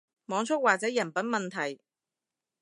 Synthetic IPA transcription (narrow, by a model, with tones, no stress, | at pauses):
mɔː˨˥ŋt͡ʃʰʊ˥t̚waː˨k̚t͡sɛː˨˥jɐ˨˩npɐ˨˥nmɐ˨nt̪ʰɐ˨˩j